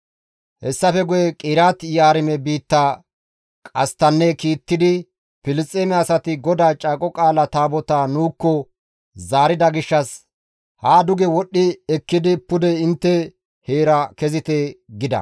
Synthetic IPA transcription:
hɛsːɐfɛɡʊjɛkʼɪːɾaːt̪jaːɾɪmɛbiːt̪ːa | kʼɐst̪ɐnːɛkiːt̪ːɪd̪ɪ | pɪlɪt͡sʼːeːmɪaːsɐt̪ɪɡɔd̪aːt͡ʃʼaːkʼɔkʼaːlɐt̪aːbɔt̪aːnuːkːɔ | zaːɾɪd̪ɐɡɪʃːɐs | haːd̪ʊɡɛwɔɗːɪɛkːɪd̪ɪpʊd̪ɛɪnt̪ːɛ | heːɾɐkɛzɪt̪eɡɪd̪ɐ̰

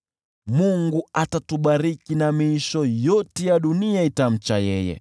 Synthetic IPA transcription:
muŋɡuatatuɓaɾikinamiiʃɔjɔtɛjaɗuniaitam̩t͡ʃajɛ̰jɛ̰

